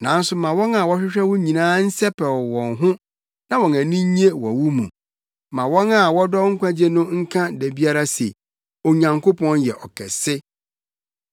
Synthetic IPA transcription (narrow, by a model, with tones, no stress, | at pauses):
nã˨n˦sʊ˨mã˨wɔ̃˦na˨wɔ˦ɕᶣɪ˦ɕᶣɛ˦wʊ̃˦ɲĩ˨nãː˦n̩˦sɛ˦pʰɛ˨ɔ˨wɔ̃˨nɦʊ̃˦ | nã˦wɔ̃˨næ̃˨nĩ˦ɲ˦e˦wɔ̰̃˨wu˦mṵ̃˨ | mã˨wɔ̃˦na˨wɔ˦dɔ˦ŋ̩˦kʷã˦d͡ʑe˦nʊ̃˦ŋ̩˦kʰã˦dæ˨bi˦a˦ɾa˦se˨ | o˨ɲã˨ŋko˦pʰɔ̃˦njɛ˨ʔɔ˨kʰɛ̰˨sɪ˦